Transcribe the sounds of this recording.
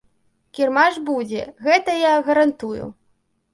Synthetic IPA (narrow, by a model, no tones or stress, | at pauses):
kʲirmaʐbud͡zʲɛ̰ɣɛt̪ɐjaɣɐɾant̪ujṵ